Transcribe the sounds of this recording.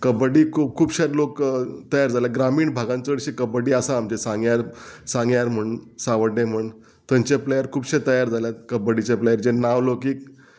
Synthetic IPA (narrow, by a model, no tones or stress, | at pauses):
kəbəɽiːkʰuːbkʰuːbɕaɾlokt̪əjaɾd͡zaljaɡɾamiːɳbʱaɡãnt͡səɽɕikəbəɽiːəsãːmt͡ɕesãŋɡjaɾsãŋɡjaɾm̤əɳsaʋəɖẽm̤əɳ | t̪əɲt͡ɕeplejəɾkʰuːbɕet̪əjaɾd͡zaljakəbəɽit͡ɕepləjəɾd͡ʑenaʋlokiːk